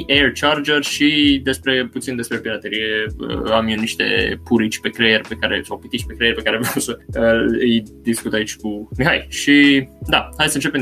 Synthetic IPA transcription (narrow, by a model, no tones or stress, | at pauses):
ʔert͡ʃard͡ʒerʃid̪e̞spɾe̞put̪sind̪espɾepiɾat̪eɾije̞ə̰amjuniʃt̪e̞̰puɾit͡ʃʲpe̞kɾejerʲpe̞kaɾḛsawpit̪it͡ʃʲpekɾejerʲpe̞kaɾevawsəəɨjd̪iskut̪ait͡ʃʲkumiɦajʃid̪ahajd̪sənt͡ʃe̞pem